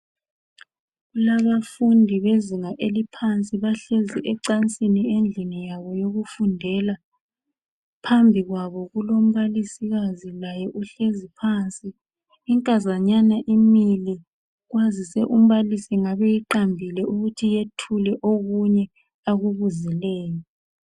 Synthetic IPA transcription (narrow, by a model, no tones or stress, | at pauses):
ɣulaβafundʱiβeziŋaʔelipʰant͡sʼiβaɬeziʔɛǀant͡sʼiniend͡ɮʱinijaβɔjoɣufundʱɛla | pʰambʱiɣwaβɔɣulom̩βalisiɣazilajɛʔuɬezipʰant͡sʼiː | ŋkʼazaɲanaʔimili | ɣwazisɛʔum̩βalisiŋaβɛjiǃambʱilɛʔuɣutʰijetʰulɛʔoɣuɲɛ | aɣuβuzilɛːjɔ